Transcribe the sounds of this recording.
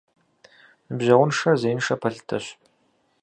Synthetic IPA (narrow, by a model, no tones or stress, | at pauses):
nɨbʑɐʁwʷʊnʂɐzejnʂɐpʰɐɬɨ̥tʰɐ̰ɕ